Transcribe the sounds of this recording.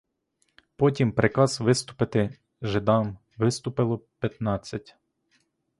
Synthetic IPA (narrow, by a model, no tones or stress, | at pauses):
pɔtʲimpɾʔɪkɑzʋɪst̪ʊ̥pɪt̪ɪ | ʒɪd̪ɑm | ʋɪst̪ʊpɪlˠɔpʲjɐt̪nɑt͡sʲːɐtʲ